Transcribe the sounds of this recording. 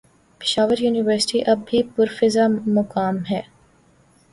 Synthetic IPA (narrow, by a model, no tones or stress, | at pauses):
pɪ̥ʃaːʋəɾjuːnɪʋəɾsɪ̥ʈiʔɐbːipʊɾfɪzamʊkaːmɦɛː